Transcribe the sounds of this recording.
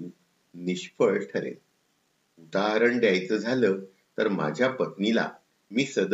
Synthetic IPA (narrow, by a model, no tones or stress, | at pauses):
niɕpəɭʈʰəɾḛl | ud̪aɾəɳɖ̪jajt͡səːd͡zʱaləː | t̪əɾma̰d͡ʑʱjapət̪nila̰ | miːsəd̪